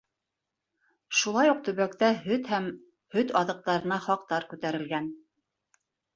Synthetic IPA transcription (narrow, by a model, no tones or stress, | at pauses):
ʃulˠɑjuq̚t̪ɵ̆βækt̪æɦɵt̪hæm | hɵt̪ɑðɤ̆q̚t̪ɑɾɤ̆nɑχɑqt̪ɑɾkʉt̪æɾɘ̆lɡæn